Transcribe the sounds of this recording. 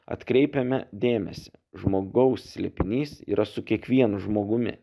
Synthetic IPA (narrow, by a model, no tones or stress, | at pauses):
ɐ̰t̪kɾʲɛɪpʲɛmʲɛd̪ʲeːmʲɛsʲɛ | ʒmoːɡɐʊsːʲlʲɛpʲɪnʲiːsḭːɾɐsʊkʲiɛkʋʲiɛnʊʒmoːɡʊmʲɪ̰